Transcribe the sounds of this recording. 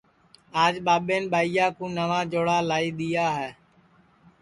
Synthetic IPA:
aːd͡ʒɓaːɓeːnɓaːijaːkũːnəʋãːd͡ʒoːɽaːlaːiːɗ̪ɪjaːɦɛː

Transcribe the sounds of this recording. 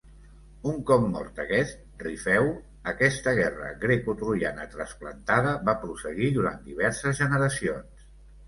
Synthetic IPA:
uŋkɔp̚mɔ̰ɾt̪əkɛst̪̚rifɛw | əkɛst̪əɣ̞ɛrə̰ɣɾekut̪ɾuianə̰t̪ɾəsplə̰nt̪aðəβapɾusəɣiðuɾa̰nt̪̚d̪iβ̞ɛɾsəzʒənəɾəsions

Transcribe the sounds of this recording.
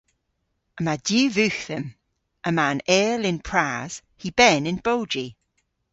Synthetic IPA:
əmadjʉːvʉˑxθəm | ʔəmãnɛːlɪ̃npʰɹ̥az̥ | hib̥ɛnɪ̃nb̥oʊd͡ʒi

